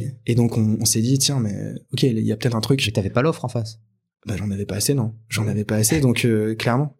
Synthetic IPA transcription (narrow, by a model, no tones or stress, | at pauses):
ed̪ɔ̃kɔ̃ːsɛd̪it̪jɛ̃mɛ̰ɔkʲeliljapøt̪ɛt̪χɛ̃t̪χykt̪yavɛpalɔfχɑ̃fas | baʒɑ̃navɛpaːsenɔ̃ʒɑ̃navɛpaːsed̪ɔ̃kʰøklɛʁmɑ̃